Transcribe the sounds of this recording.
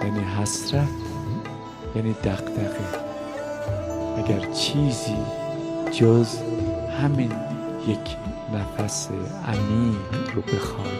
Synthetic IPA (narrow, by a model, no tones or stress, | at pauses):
jæːniːɦæsɾæt̪ | jæːniːd̪æɣd̪æɣe | ʔæɡæɾt͡ʃʰiːzḭːd͡ʒozhæmiːn | jecʰ | næfæsḛ | æ̰miːnɾobe̞xɒːn